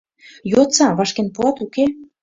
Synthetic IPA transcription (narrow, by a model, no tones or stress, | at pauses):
jot͡sɑβɑʃkenpuɑt̪uke